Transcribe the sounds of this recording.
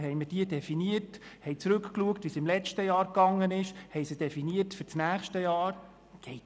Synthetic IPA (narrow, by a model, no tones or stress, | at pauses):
ɦɛjməd̥iədɛfiniəthɛjt͡sɾɵkkluəktvʋisɪmlɛt͡ʃtəjɑːɾkɑŋːənɪʃhɛɪsid̥ɛfiniətfyɾt͡snæːχʃtəjɑːɾ | ɡ̥ɛ